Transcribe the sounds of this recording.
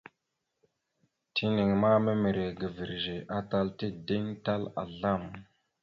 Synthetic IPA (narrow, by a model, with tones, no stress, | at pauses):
tʰi˦ni˨ŋma˦me˦mi˨ɾe˨ɡə˨vi˨ɾʒe˨ʔa˦ta˦lti˦di˦ŋta˦la̰˨ɮa˦˨m